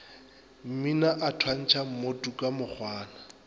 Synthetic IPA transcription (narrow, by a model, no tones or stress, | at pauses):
m̩minaʔatʰwan̩t͡ʃʰam̩motukʼamʊk͡xʰwaːna